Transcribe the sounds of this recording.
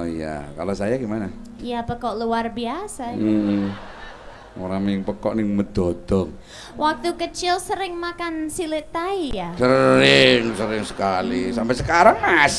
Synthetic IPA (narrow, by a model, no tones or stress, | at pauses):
ija̰ka̰losajaɡimana | ijapəkɔʔluarbiasam̩ʔ̩ | o̰ɾamŋpəkɔʔnɪŋməd̪̥ɔd̪̥ɔŋ | wʔak̚t̪ukət͡ʃɪlsəɾɪŋmakansilɪt̪aijasəɾɪŋsəɾɪŋsə̥kalisampɛsəkaɾaŋas